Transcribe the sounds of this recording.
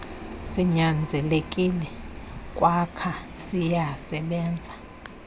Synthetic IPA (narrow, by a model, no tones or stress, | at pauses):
siɲand͡zʱɛlekʼilɛkʼwakʰasijasɛɓɛːnd͡zʱa